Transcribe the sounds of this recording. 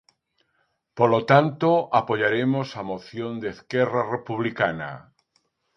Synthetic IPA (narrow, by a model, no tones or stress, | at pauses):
polot̪ant̪oʔapoʎaɾemosamoθjond̪eskɛrarepuβlikana̰